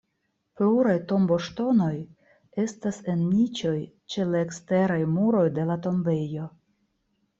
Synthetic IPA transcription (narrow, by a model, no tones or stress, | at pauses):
pluɾajto̞mbo̞ʃto̞no̞j | e̞stase̞nmit͡ʃo̞j | t͡ʃe̞laekste̞ɾajmuɾo̞jde̞lato̞mbe̞jo̞